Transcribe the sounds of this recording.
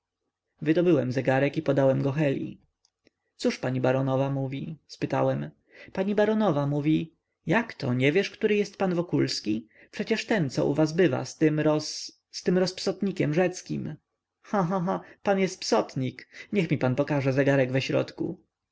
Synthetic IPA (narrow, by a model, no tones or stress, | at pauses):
vɘd̪ɔbɘwɛmzɛɡaɾɛkipɔd̪awɛmɡɔxɛlʲḭ | t̪suʂpaɲibaɾɔnɔvamuvʲispɘt̪a̰wɛm | paɲibaɾɔnɔvamuvʲi | jakt̪ʰɔ̰ɲɛvʲjɛʂkt̪uɾɘjɛst̪̚panvɔkulskʲi | pʂɛt͡ɕɛʂt̪ɛnt̪sɔ̰ʔṵvas̬bɘva̰st̪mɾɔ | st̪ɘmɾɔspsɔt̪ɲikʲɛmʐɛt̪skʲim | xãɦaɦapanjɛst̪̚psɔt̪ɲikɲɛxmʲipanpɔkaʐɛzɛɡaɾɛɡvɛɕɾɔ̰t̪kṵ